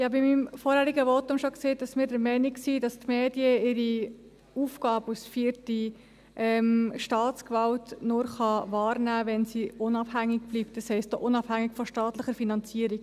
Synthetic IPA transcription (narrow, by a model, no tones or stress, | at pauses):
ɪhɑbimːimfɔɾhæɾiɡəʋɔtʊmʃokseːtdɑsmiːɾdɛɾmɛɪniksidɑstmeːdiəɪɾi | uːfɡɑːbəusfiəɾti | ʔɛmʃtɑːtt͡skvɑltnʊɾχɑʋɑːɾnæːʋɛnsiʊnɑb̥hæŋːɪɡb̥liːp̚t̚d̥ɑshɛɪstoʔʊnɑb̥hæŋːiɡfɔʃtɑːtləχəɾfinɑnt͡siəɾik